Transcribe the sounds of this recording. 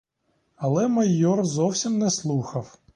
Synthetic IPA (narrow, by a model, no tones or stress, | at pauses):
ɐlˠɛmɐjɔrzɔwsʲimnɛslˠuxɐw